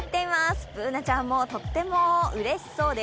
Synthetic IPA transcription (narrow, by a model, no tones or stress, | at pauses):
t̪ːe̞imasɨ̥pɯ̟ːnat͡ɕãmːo̞t̪o̞t̪ːe̞mo̞ɯ̟ɾe̞ɕi̥so̞ːd̪e̞